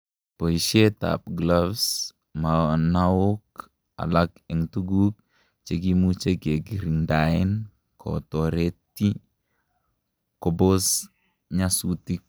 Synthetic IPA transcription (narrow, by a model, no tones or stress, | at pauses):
poiʃet̪a̰p̚ɡlafs | manawok | a̰lakɛŋt̪uɡuk̚ | t͡ʃeɡimut͡ʃeɡeɡiɾiŋdain | kʰo̰t̪oɾet̪i | kɔbos | ɲasut̪ik̚